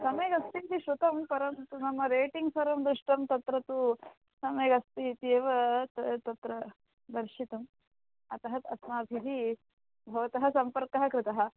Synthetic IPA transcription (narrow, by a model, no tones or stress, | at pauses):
sɐmeːɡɐst̪it̪iʃɾut̪ɐmpɐɾɐmt̪unɐmːɐɾeːʈiŋɡsɐɾɐmd̪ɾɪʂʈɐmt̪ɐt̪ɾɐt̪u | sɐmeːɡɐst̪iit̪ieːʋɐt̪ɐt̪ɐt̪ɾɐ | d̪ɐɾʃit̪ɐm | ɐt̪ɐɦɐt̪ɐsmaːbʱiɦi | bʱɐʋɐt̪ɐɦɐ̆sɐmpɐɾkɐɦɐkɾɪt̪ɐɦɐ̆